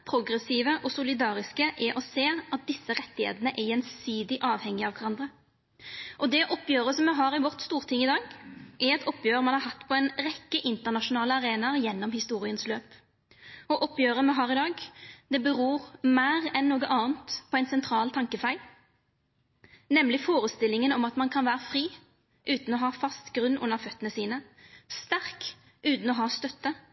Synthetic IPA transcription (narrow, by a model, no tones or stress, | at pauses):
pʰʁʊɡʁɛsiːʋəʔɔsʊlɪd̪ɑːʁɪskəʔɛʔɔseːɑt̪̚d̪ɪsːəʁɛt̪ːɪhḛːt̪ənəʔɛjɛnsiːd̪ɪʔɑːʋhɛŋːɪɑʋkʰæʁɑnd̪ʁə | ʔɔd̪ɛʔɔpːjøːʁəsɔmːɛɦɑːʁɪʋɔʁt̪st̪uːʁt̪ʰɪŋɪd̪ɑːɡʔɛɾɛt̪ɔpːjøːʁəmɑnhɑʁɦɑt̪ːpʰɔɛnʁɛkːəʔɪnt̪əʁnɑʃʊnɑːləɑʁeːnɑʁjɛnːɔmhɪst̪uːʁɪənsløːp | ɔʔɔpːjøːʁəmɛɦɑːʁɪd̪ɑːɡd̪ɛbəʁuːʁmæːʁɛnːuːɡəʔɑːənt̪pʰɔɛɪnsɛnt̪ʰʁɑːlt̪ʰɑŋkəfæɪl | nɛmlɪfoːʁəst̪ɪlːɪŋənɔmɑt̪mɑnkʰɑnʋæːʁəfʁiː | ʔʉːt̪n̩ɔɦɑːfɑst̪ɡʁʉnːʊ̰nːəʁfœt̪ːənəsiːnə | st̪æʁk | ʔʉːt̪n̩ɔɦɑːst̪œt̪ːə